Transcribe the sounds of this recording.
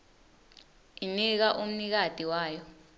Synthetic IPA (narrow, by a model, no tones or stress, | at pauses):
inik̬aʔum̩nik̬ad̥ʱʼiwaːjɔ